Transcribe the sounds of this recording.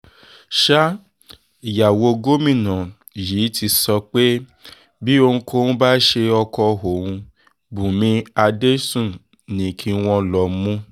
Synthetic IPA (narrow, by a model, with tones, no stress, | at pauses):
ʃa˦ | i˨ja˨wo˧ɡo˦mĩ˦˨nã˨ | ji˨˦ti˧sɔ˧k͡pe˦ | bi˦o˧ũ˧kʰo˧˦nũ˦ba˦ʃe˧ɔ˧kɔ˧ɦo˨wũ˧ | bũ˨mĩ˧a˧de˦sũ˦˨ | nĩ˨˦kʰi˧w̃ɔ̃˧lɔ˨˦mũ˦